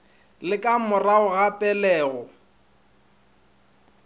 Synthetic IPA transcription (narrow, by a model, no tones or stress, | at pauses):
lɪkʼamʊraʊɣapʼɛlɛːɣɔ